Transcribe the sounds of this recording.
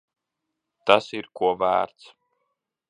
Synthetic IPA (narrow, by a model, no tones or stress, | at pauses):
t̪asiɾkuɔvæ̰ːɾt̪s